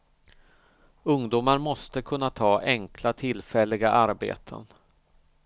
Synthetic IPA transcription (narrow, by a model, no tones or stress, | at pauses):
ɵŋd̪uːmaɾmɔst̪əkʰɵnːat̪ʰɑːʔɛŋkʰlat̪ʰɪlːfɛlːɪɡaʔaɾbḛːt̪ʰə̰n